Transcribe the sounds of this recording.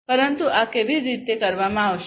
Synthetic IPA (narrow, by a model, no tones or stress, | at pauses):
pəɾənt̪uʔakeʋiɾit̪ekəɾʋamãaʋʃ